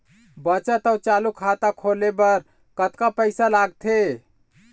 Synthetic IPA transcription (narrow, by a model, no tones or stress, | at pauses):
bət͡ʃat̪əwt͡ʃalukʰat̪akʰolebəɾ | kət̪kapəɪsalaɡt̪ʰe